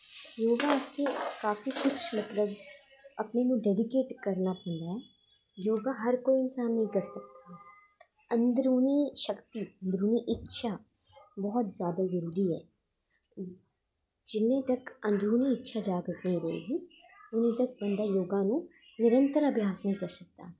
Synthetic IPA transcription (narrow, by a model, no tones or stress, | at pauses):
joːɡaʊskekaːfikʊt͡ʃʰmɐt̪ləb | ɐpnenũɖɛːɖɪkeːʈkɐɾnapɛ̃ɳd̪a | joːɡaɦɐɾkoːiɪnsaːnːɐ̃ɦĩkɐɾsɐk̚t̪aɦɛː | ɐ̃nd̪ɾuːniʃəkt̪iə̃nd̪ɾuːniʔɪtːʃʰa | bɔɦʊt̪zjaːd̪azɐɾuːɾiɦɛ̰ː | d͡ʒɪnːẽt̪ɐkɐ̃nd̪ɾuːniɪtːʃʰad͡ʒaːɡɾt̪nəɦĩɾɐɦḛːɡi | ʊnẽt̪ɐk̚bɐ̃nd̪ajoːɡãnũ | nɪɾə̃nt̪əɾɐbʱjaːsnɐɦĩkɐɾsɐk̚t̪a̰